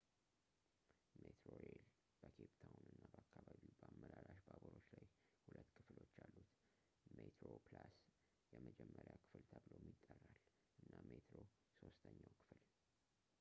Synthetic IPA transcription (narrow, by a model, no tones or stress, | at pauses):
met̪ɾoɾel | b̥əkʰept̪ʰawunɨnːabəakːaβaβiwbəamːəɾaɾaʃbaboɾo̞t͡ʃːlajhulʔət̪ːkʰɨflo̞t͡ʃːalːut̪ | met̪ɾoplas | jɛməd͡ʒɛmːəɾjakʰɨ̥fɨlt̪ʰəβlowmjit̪ʼːərːal | ʔɨnːamet̪ɾo | so̞st̪ʰəɲːawkʰɨ̥fl